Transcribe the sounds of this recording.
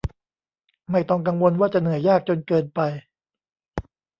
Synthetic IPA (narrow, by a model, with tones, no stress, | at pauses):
ma˥˩jt̪ɔ˥˩ŋka˧ŋwo˧nwaː˥˩t͡ɕa˨˩nɯ˩˦əjaː˥˩k̚t͡ɕo˧nkɤː˧npa˧j